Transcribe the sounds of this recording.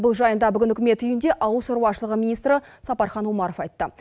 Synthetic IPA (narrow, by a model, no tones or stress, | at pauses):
bʊlˠʒɑjənd̪ɑbʏɡʲɪnʏkʲɪme̞t̪ʏjɪnd̪e̞ʔɑwəlˠsoɾwɑʃəlˠəʁəmʲinijst̪ɾə | sɑpɑɾχɑnwomɑɾofɑjt̪ːə